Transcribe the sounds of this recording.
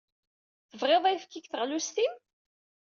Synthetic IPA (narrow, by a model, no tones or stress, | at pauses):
θəvʁeðˤæjfkːiçθəʁlust̪im | θ